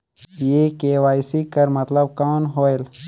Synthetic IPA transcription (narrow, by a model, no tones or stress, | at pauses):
jeːkeːwaːjsikɐɾmɐt̪ləbkaːnɦoːel